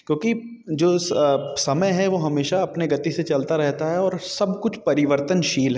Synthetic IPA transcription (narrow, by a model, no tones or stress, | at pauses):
kjõːki | d͡ʒoːssɐməjɦɛʋoɦɐmeːʃaɐpneɡɐt̪iset͡ʃɐlt̪aɾɛɦt̪aɦɛɔːɾsɐbkʊt͡ʃʰpɐɾɪʋəɾt̪ənʃiːlɦɛ